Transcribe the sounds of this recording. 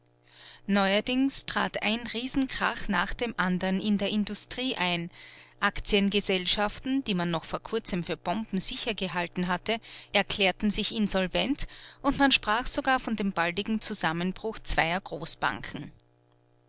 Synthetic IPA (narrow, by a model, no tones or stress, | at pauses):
nɔʏɐdɪŋstʁ̥a̰ːtʔa̰ɪnʁiːzn̩kʁ̥a̰xnaːχd̥eːmʔandɐnɪndeːɐɪndustʁ̥iːʔaɪnʔakt͡siənɡəzɛlʃaftn̩d̥iːmanːɔxfoːɐkʰʊɐt͡səmfyːɐb̥ɔmbm̩zɪçɐɡəɦaltn̩ɦatəʔɛɐkʰl̥ɛːɐtn̩zɪçɪnzɔlvɛntʔʊntmanʃpʁ̥aːxz̥oɡaːɐfɔndeːmbaldɪɡŋ̩t͡suzamənb̥ʁʊxt͡sv̥aɪɐɡ̥ʁoːsb̥a̰ŋkʰŋ̩